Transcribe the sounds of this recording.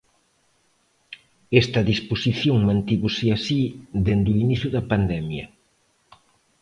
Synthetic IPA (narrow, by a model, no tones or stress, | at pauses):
ɛst̪ɐðisposiθjoŋmãnt̪iβosɪasid̪end̪uiniθjʊðɐpand̪ɛmjɐ